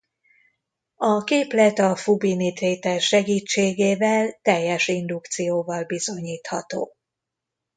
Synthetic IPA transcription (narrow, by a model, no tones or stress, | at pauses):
ɒkeːplɛt̪ɒfubinit̪reːt̪ɛrʃɛɡiːt͡ʃːeːɡeːvɛlt̪ɛjːɛʃind̪ukt̪sijoːvɒlbizo̞ɲiːt̪hɒt̪o̰ː